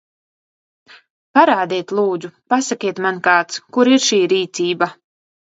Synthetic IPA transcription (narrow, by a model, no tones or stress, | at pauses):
paɾaːd̪iɛt̪ʲlˠuːd̪zupasakʲiɛt̪mankaːt̪skuɾiɾʃiːɾiːt̪siːba